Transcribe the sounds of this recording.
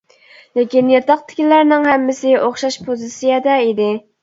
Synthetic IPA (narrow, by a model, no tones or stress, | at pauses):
lekʲinjɑt̪ɑq̚t̪ʰɪ̥kʲilæɾnɪŋhæmːɪsɪʔoχʃɑʃpʰozɨsijɛd̪ɛid̪ɪ